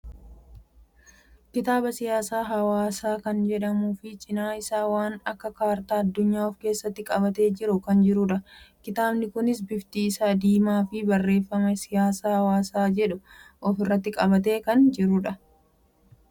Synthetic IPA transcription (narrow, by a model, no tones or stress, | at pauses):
kɪt̪aːbɐsɪjaːsaːɦɐwaːsaːkɐnd͡ʒɛᶑɐmuːfɪt͡ʃʼɪnaːɪsaːwaːnɐkːɐkaːɾt̪aːɐd̪ːʊɲːaːɔfke̞ːsːɐt̪ːɪkʼɐβɐt̪e̞ːd͡ʒɪɾʊkɐnd͡ʒɪɾʊᶑɐkɪt̪aːbnɪkʊnɪs̬bɪft̪iːsaːd̪iːmaːfɪbɐrːe̞ːfːɐmɛsɪjaːsaːhɐwaːsaːd͡ʒɛᶑʊʔɔfɪrːɐt̪ːɪkʼɐbɐt̪̬e̞ːkɐnd͡ʒɪɾʊᶑɐ